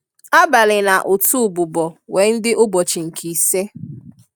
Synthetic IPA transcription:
a˦ba˨lɪ˨na˨ʔʊ˨tu˦˨bʊ˨bɔ˨we˨˦n̩˦dɪ˦ʔʊ˦bɔ˨t͡ʃɪ˨ŋ̩˨kʰi˨se˦

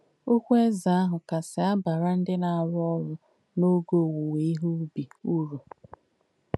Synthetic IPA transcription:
u˦kʷe˦za˨a˦ɦʊ˨ka˨sɪ˨a˦ba˨ɾa˦n̩˦dɪ˦na˨a˨ɾʊ˦ɔ˦ɾʊ˦ | no˦ɡo˨wu˨we˨˦i˦ɦu˦bi˨u˦ɾu˨

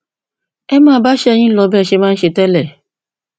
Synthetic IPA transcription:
ɛ˦mãː˦˨˦ba˦ʃɛ˦ɛ˧˨j̃ĩ˦lɔ˧˦bɛ˦˨ʃe˧mã˦n̩˦ʃe˧tɛ˦lɛ˦˨

